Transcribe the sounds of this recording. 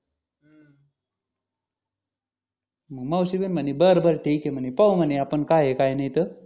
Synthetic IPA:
məɡməwɕiʋinmənibəɾbʱəɾʈ̪ʰejkim̤ənipəwməneapəɳkaɦekajnajt̪ə

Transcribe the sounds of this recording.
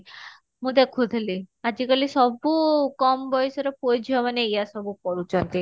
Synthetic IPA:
mud̪ɛkʰud̪ʱliad͡ʑikalisɔbukɔmbɔjsɾəpojd͡ʑʱɔʋanejasɔbukɔɾut͡ʃant̪i

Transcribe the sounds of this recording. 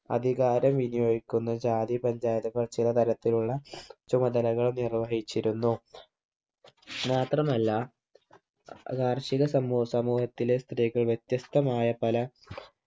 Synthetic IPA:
ɐ̰d̪ʱiɣaːɾɐmʋinijo̞ːɡikʲːunːɐd͡ʑaːd̪ipɐɲd͡ʑaːjɐðɐkɐrt͡ɕːilɐt̪ɐɾɐt̪ːiluɭːɐt͡ɕumɐd̪ɐlɐɣɐɭumnirʋɐɦit͡ɕːiɾunːu | maːt̪rɐmɐlːɐ | ɡaːrɕiɣɐsɐmːuːsɐmuːhɐt̪ːilest̪riːɣɐɭʋje̞t̪jɐst̪ɐmaːjɐpɐlɐ

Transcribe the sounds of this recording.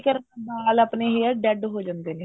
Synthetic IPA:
kəɾbaːləpneɦiəɖɛɖɦoːd͡ʒãːnd̪eːle

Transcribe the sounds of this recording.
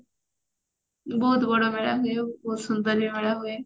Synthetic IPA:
boːt̪bəɽomeɭaɦʊjooːsʊnd̪əɾbimeɽaɦʊe

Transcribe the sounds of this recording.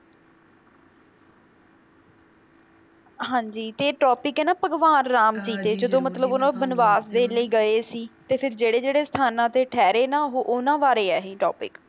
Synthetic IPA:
ɦãːɲd͡ʒiːt̪eːʈɔːpɪkɛːnaːpəɡʋaːnɾaːmt͡ʃiːt̪eːd͡ʒəd̪õːmət̪ləboːnãːbənʋaːsd̪eːləiːɡəeːsiːt̪eːpʰɪɾd͡ʒeːɽeːd͡ʒeːɽeːsə̥t̪ʰaːnãːt̪eːʈʰɛːɾeːnaːɦoʔʊnãːʋaːɾeːɛːɦĩːʈɔːpɪ̰k

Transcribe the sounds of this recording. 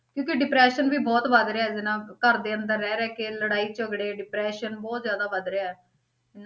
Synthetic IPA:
kjõːkeɖɪpɾɛːʃənʋiːbɔːt̪ʋəd̪ɾaːɛːd͡ʒɪnãːkəɾd̪eːənd̪əɾːɛːɾɛːkeːləɽaːiːt͡ʃəɡɽeːɖɪpɾɛːʃənbɔːt̪zjaːd̪aːʋəd̪ɾeaːɛː | ɪn

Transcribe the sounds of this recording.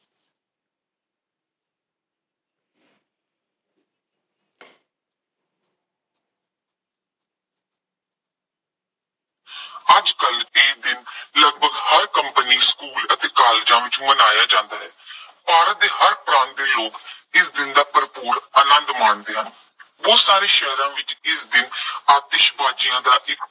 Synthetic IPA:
əd͡ʒkəleːkd̪ɪnləɡ̚bʱəɡhəɾkəmpəniːskuːlət̪eːkaːleːd͡ʒãːʋɪt͡ʃũːmənaːjaːd͡ʒãːnd̪aːɦɛː | paːɾət̪eːhəɾpɾãːnt̪̚d̪eːloːkɪsd̪ɪnd̪aːpəɾpuːɾəːnənd̪maːɳd̪eːɦãː | ʋoːsaːɾeːʃɛɦɾãːʋɪt͡ʃɪsd̪ɪnaːt̪eːʃbaːd͡ʒɪjãːd̪aːʔɪk

